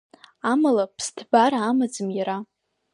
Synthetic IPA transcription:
amalapʰstʰbaɾaːmad͡zɨmjaɾa

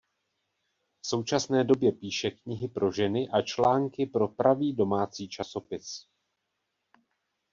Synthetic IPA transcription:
fso̞wt͡ʃasnɛːdo̞bjɛpiːʃɛkɲɪɦɪpɾo̞ʒɛnɪʔat͡ʃlaːŋkɪpɾo̞pɾaviːdo̞maːt͡siːt͡ʃaso̞pɪs

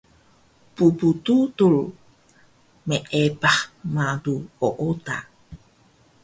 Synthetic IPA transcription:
puput̪ut̪ul | meʔepahmaduoʔota̰

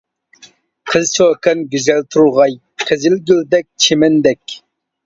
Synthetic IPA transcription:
qʰəzt͡ʃʰokɛnɡʲyzɛlt̪ʰuɾuʁɑj | qʰəzɪlɡʲyld̪ɛk̚ʲt͡ʃʰemɛnd̪ɛkʲ

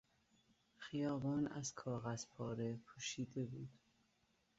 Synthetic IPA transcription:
xijɒːbɒːnæ̰z̥kʰɒːɣæz̥pʰɒːɾepʰuːʃiːd̪e̞buːd̪̥

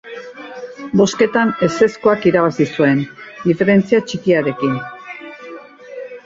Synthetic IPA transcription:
bo̞ske̞t̪ane̞se̞skoakiɾaβasisue̞nd̪ife̞ɾe̞nt͡siat͡ʃikiaɾe̞kin

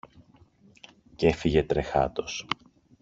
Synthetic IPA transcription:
ce̞fiʝe̞t̪ɾe̞xɐ̰t̪o̞s

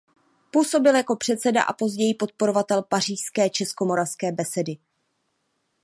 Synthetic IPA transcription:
puːso̞bɪljako̞pr̝̥ɛt̪sɛda̰ʔa̰po̞zɟɛjipo̞t̪̚po̞ɾo̞vat̪ɛlpar̝iːʃskɛːt͡ʃɛsko̞mo̞ɾafskɛːbɛsɛdɪ

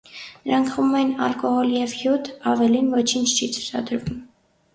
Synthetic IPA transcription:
nəɾɑŋkʰχumɛnɑ̰lkɔhɔljɛvhjut̪ʰɑvɛlinvɔt͡ʃʰint͡ʃʰt͡ʃʰit͡sʰu̥t͡sʰɑ̰d̪əɾvum

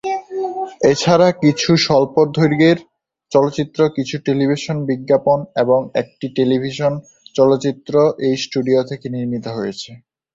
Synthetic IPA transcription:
et͡ɕʰaɾakit͡ɕʰuʃɔlpoɾd̪ʱoɾɡeɾ | t͡ɕɔlotːt͡ɕit̪ːɾokit͡ɕʰuʈelibʱiʃonbiɡːaponeboŋḛk̚ʈiʈelibʱiʃon | t͡ɕɔlotːt͡ɕit̪ːɾoʔejsʈuɖiot̪ʰekeniɾmit̪oɦojet͡ɕʰe

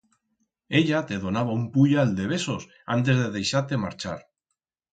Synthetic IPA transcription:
e̞ʎat̪e̞ðo̞naβ̞aumpuʎaːld̪e̞β̞e̞sos | a̰nt̪̬e̞zðeðe̞jʃaɾt̪ema̰ɾt͡ʃa̰ɾ

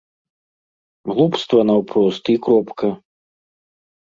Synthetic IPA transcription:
ɣlˠupst̪vɐnɐwpɾɔst̪ikɾɔpkɐ

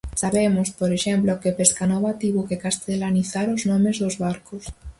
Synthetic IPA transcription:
saβemʊspoɾeʃemplokepeskanɔβat̪iβokekast̪elaniθaɾoznɔmezðozβaɾkʊs

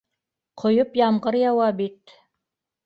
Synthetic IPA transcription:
qʰŏjopjɑmʁɤɾjɑwɑbit̪

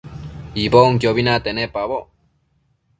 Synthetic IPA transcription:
iboŋkjoβinat̪enepaβo

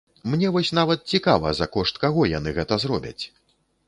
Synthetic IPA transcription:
mnʲɛvɔsʲn̪avɐt̪̚t͡sʲikavɐ̰zɐkɔʂt̪kaɣɔjan̪ɨɣɛt̪ɐzɾɔbʲɐ̰t͡sʲ

